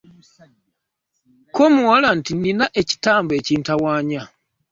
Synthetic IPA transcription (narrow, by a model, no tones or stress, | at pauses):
komuwalantininaʔe̞ci̥taːmbe̞ːciːntawaːɲa